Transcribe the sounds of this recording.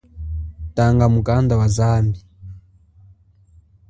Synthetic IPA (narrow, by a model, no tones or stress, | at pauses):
taːŋɡamukandawazaːmbi